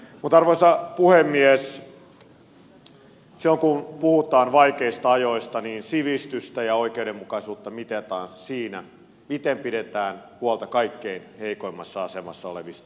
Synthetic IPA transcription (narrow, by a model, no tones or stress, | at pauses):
mut̪ɑrʋoisɑpuhemːies | silːoŋkunpuhut̪ɑːnʋɑikeist̪ɑɑjoist̪ɑniːnsiʋist̪yst̪æjɑoikeuɾemmukɑisuːt̪ːɑmit̪et̪ɑːnsiːnæ | mit̪empiɾet̪æːnhuɑlt̪ɑkɑikːeinheikoimːɑsːɑɑsemɑ̰sːɑoleʋist̪ɑ̥